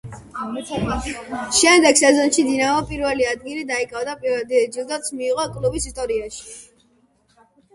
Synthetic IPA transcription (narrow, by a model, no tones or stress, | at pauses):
ʃɛmd̪ɛɡ̥sɛzɔnʃid̪inaɔpʼiɾvɛliad̪̚ɡilid̪aikʼavd̪apʼiɾvɛd̪id͡ʒilˠd̪at̪sʰmiːʁɔkʼlubisist̪ʼɔɾiaʃi̥